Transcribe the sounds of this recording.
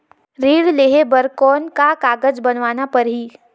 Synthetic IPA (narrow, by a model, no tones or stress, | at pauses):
ɾiːɽleːɦebəɾkɔːnkakaːɡəd͡ʒbɐnʋaːnapɐɾɦiː